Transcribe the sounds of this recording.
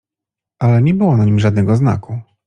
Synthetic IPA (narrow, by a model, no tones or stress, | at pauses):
ʔalɛɲɛbɘwɔnaɲimʐad̪̚nɛɡɔzna̰kʰu